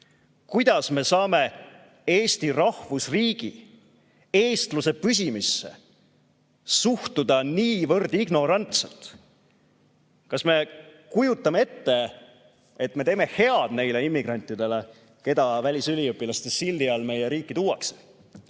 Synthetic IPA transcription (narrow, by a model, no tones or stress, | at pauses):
kujd̪̥ɑsme̞sɑːme̞ | e̞ːsʲt̪irɑhvusriːɡ̥ḭ | e̞ːst̪luse̞pys̬ʲimisːe̞̰ | suht̪ud̪̥ɑniːvɤrd̪̥iɡno̞ɾɑnt̪selt̪ | kɑsme̞kujut̪ˑːɑmee̞t̪ːe̞ | et̪me̞t̪e̞ːme̞he̞ɑd̪̥ne̞jle̞imːiɡ̥rɑnʲt̪ːˑid̪̥e̞le̞ | ke̞d̪ɑvælʲisylʲiɯpːˑilɑst̪esild̪iɑlme̞jeɾiːkːˑit̪uwɑkse̥